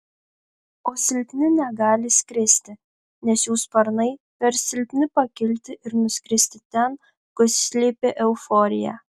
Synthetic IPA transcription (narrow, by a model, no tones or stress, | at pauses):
oːsʲɪlʲpʲnʲɪnʲɛɡɑːlʲɪsʲkʲɾʲɪsʲt̪ʲɪ | nʲɛsjuːspɐɾnɐɪ | pʲɛɾsʲɪlʲpʲnʲɪpɐkʲɪlʲt̪ʲɪʔɪɾnʊsʲkʲɾʲɪsʲt̪ʲɪt̪ʲɛn | kʊssʲlʲiːpʲeʔɛʊfoːɾʲɪjæ̰